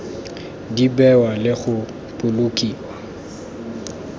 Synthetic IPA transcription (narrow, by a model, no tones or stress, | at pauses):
dibɛwalɪɣʊ | pʼʊlʊkʼiːwa